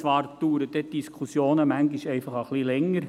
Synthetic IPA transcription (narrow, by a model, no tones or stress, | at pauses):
ʋɑːɾt̪ːuːɾəd̪ɛd̥iskʰusjoːnəmæŋɡɪʃɛɪfɑχəχlilɛŋːəɾ